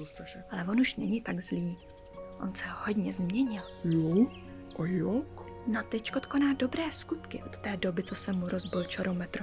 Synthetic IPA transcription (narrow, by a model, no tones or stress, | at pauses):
ʔalɛvo̞nuʃnɛ̰ɲɪt̪aɡzliː | ʔo̞̰nsɛhodɲɛzmɲɛɲɪl | jo | ʔojoknot̪ɛckot̪ko̞naːdo̞bɾɛːskut̪kɪʔot̪ːɛːdo̞bɪt͡sosɛmuɾo̞zbɪlt͡ʃɛɾomɛt̪ɾu